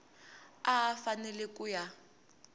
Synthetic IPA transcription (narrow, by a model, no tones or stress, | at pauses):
aːfanɛlɛkʼuja